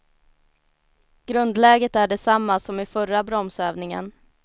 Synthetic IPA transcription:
ɡ̥ɾɵnd̪lɛːɡət̪æɖɛsamːasɔmɪfœrabɾɔmsøːvnɪŋə̰n

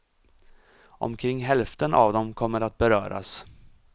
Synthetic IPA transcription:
ʔɔ̰mkʰɾɪŋːɦɛlft̪ənʔa̰vd̪ɔmkʰɔmːəɾat̪̚bɛɾœːɾa̰s

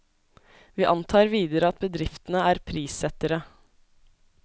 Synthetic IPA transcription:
ʋiːʔɑnt̪ʰɑːɾʋiːd̪əɾəɑt̪̚bəd̪ɾɪft̪n̩əæːɾpʰɾiːsɛt̪əɾə

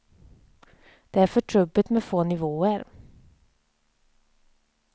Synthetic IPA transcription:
d̪̥ɛːæɾfœʈʰɾɵbːət̪meːfoːnɪvoːəɾ

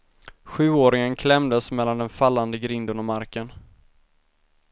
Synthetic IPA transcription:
ɧʉ̟ːoːɾɪŋənkʰlɛmd̪əsmɛlːand̪ɛnfalːand̪əɡɾɪnd̪ənɔmaɾkən

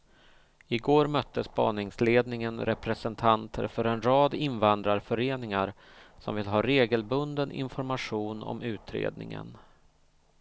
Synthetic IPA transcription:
ɪɡoːɾmœt̪ʰːəspɑ̰ːnɪŋsleːd̪nɪŋənɾɛpɾɛsɛnt̪ʰant̪ʰə̰ɾfœɾɛnɾɑːd̪ɪnvand̪ɾaɾfœɾeːnɪŋaɾ | sɔmvɪlɦɑːɾeːɡəlbɵnd̪ənʔɪ̰nfɔɾmaɧuːnɔ̰mʉ̟ːt̪ʰɾḛːd̪̚nɪ̰ŋə̰n

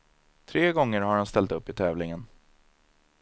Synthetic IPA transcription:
t̪ʰɾeːɡɔŋːəɾhaɾhanst̪ɛlt̪ɵpːɪt̪ʰɛːvlɪŋən

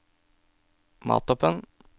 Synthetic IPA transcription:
mɑ̰ːt̪ɔpən

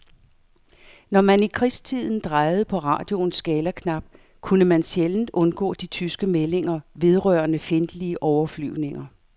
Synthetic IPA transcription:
nɒmænikʰʁist͡sʰið̞̰ˠn̩d̥ʁɑ̈ɪð̞̩ˠəpʰɒ̽ʁɑ̰̈ːd̥jo̝nsɡ̥ɛːlɐkʰnɑ̈b̥̚ | kʰunəmænɕjeln̩d̥ɔ̽nɡ̥ɔ̰̽ːd̥it͡sʰysɡ̥əmele̝ŋɐʋe̝ð̞ˠʁœɐnəfe̝nd̥əliəʔɒʊɐfly̰ʊne̝ŋɐ

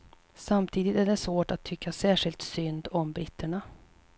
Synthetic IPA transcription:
samt̪ʰiːd̪ɪt̪æɖɛsvoːʈat̪ʰːʏkʰːasæːʂɪlt̪sʏnd̪ɔmbɾɪt̪ʰːəɳa

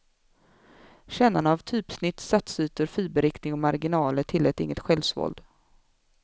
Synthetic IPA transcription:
ɕɛnanavt̪ʰyːpsnɪt̪ːsat̪sʉ̟ːt̪əɾfiːbəɾɪknɪŋɔmaɾɡɪnɑːləʈ̪ʰɪlːɛːt̪ɪ̰ŋːət̪ɧɛlvsvɔ̰ld̪

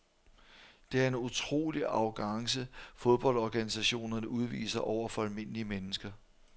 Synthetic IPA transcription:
d̥e̝æɐe̝nut͡sʰʁo̝̰ːliɑ̈ʊɡ̥ɑ̈ŋsəfo̝ðˠb̥ɒ̽l̰d̥ɒɡ̥ænisæɕo̝̰ːnɐnəʔuð̞ˠʋḭːsɐʔɒʊ̰ɐfɒ̽ælme̝n̰əliəmenəsɡ̥ɐ

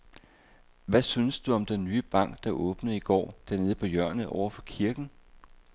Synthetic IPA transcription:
ʋæsynəsd̥uɒ̽md̥enːyːəb̥ɑ̈ŋ̰ɡ̥̚d̥ɑ̈ʔɔ̽ːb̥nəð̩ˠiɡ̥ɒ̰ːd̥æɐne̝ːð̞̩ˠəpʰɒ̽jɶɐ̰nð̩ˠɒʊ̰ɐfɒ̽kʰiɐɡ̥n̩

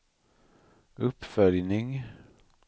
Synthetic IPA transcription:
ɵpːfœljnɪŋ

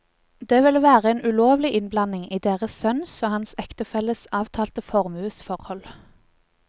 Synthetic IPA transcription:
d̪eːʋɪlʋæːʁəeːnʉloːʋlɪʔɪnblɑnɪŋiːd̪eːʁəsœnsoːhɑnsɛkt̪əfɛləsɑːʋt̪ʰɑːlt̪əfɔʁmʉːsfɔʁhɔl

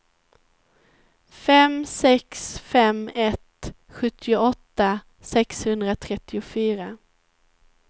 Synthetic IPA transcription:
fɛmsɛksfɛmɛt̪ | ɧɵt̪ʰːɪʊɔt̪ːa | sɛkshɵnd̪ɾat̪ʰɾɛt̪ːɪʊfyːɾa

